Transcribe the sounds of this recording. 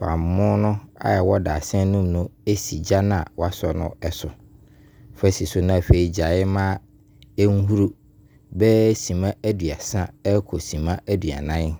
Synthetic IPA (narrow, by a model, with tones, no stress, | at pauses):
fã̰˨m˨mʊ̃˦nʊ̃˦a̰˦ɛ˨wɔ˦daː˨sɛ̃˦nũ˦mnʊ̃˦e˦si˨d͡ʑa˦nã˦˨wa˦sɔ˨nʊ̰̃˦ɛ˨sʊ˨ | fɛ˦si˨sʊ˨nã˦˨fe˨i˨d͡ʑa˨ɪ˦mã˦ | ŋ̩˦ɦu˦ɾu˦ | bɛ˦sĩ˨mã˦æ˦dɥa˨sã˦ɛ˦kʰɔ˨sĩ˨mã˦æ˦dɥa̰˨nã˦n˦